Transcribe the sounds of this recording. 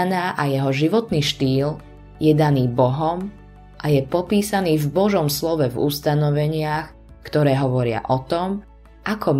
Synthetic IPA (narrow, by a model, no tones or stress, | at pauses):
naːʔajɛɦɔʒiʋɔt̪niːʃt̪iːl | jɛd̪aniːbɔɦɔm | ʔajɛpɔpiːsaniːvbɔʒɔmslɔʋɛvṵst̪anɔʋɛɲɪax | kt̪ɔɾɛːɦɔʋɔɾɪa̰ʔɔt̪ɔm | ʔakʰɔm